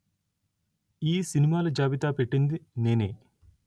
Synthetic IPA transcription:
iːsinimaːlɐd͡ʒaːʋit̪aːpeʈːind̪ine̞ːneː

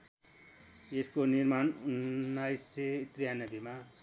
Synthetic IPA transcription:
eskonirmanunːajset̪rijanʌbima

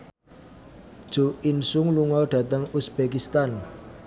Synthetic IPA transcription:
d̥ʒ̥o̤insʊŋluŋɔɖ̥ä̤t̪əŋusb̥ekist̪an

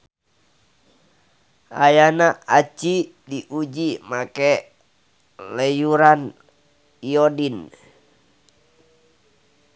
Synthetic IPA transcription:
ʔa̰janaat͡ʃi | diʔud͡ʒimakɛ | lɛjuɾan | ijodin

